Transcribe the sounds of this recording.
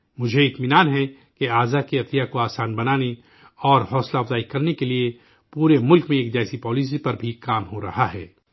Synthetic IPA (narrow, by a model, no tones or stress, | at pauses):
mʊd͡ʒʱeɪt̪mɪnaːnɦɛ | keaːzakiɐt̪ijakoaːsaːnbɐnaːne | ɔːɾɦɔːslaɐfzaːikɐɾnekelie | puːɾemʊlkmẽeːkd͡ʒaːsipɔːliːs̬ipɐɾbʱikaːmɦoɾɐ̰haɦɛ̰ː